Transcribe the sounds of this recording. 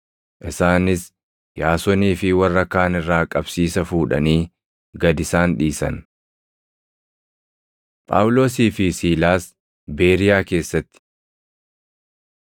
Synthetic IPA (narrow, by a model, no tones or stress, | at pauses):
ʔɪsaːnɪs | jaːsɔniːfɪwɐrːɐkaːnɪrːaːkʼɐb̥siːsɐfuːᶑɐ̰niː | ɡɐd̪ɪsaːnᶑiːsɐ̰n | pʼa̰ːwʊlo̞ːsiːfɪsiːlaːs | be̞ːɾɪjaːke̞ːsːɐt̪ːɪ̥